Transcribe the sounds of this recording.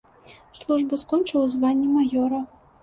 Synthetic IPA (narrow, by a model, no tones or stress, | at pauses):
slˠuʐbɨskɔnt͡ʂɨwzvanʲːimajɔɾɐ